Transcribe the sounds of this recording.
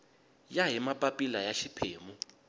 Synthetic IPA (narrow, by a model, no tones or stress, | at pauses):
jaɦimapʼapʼilajaʃipʰeːmu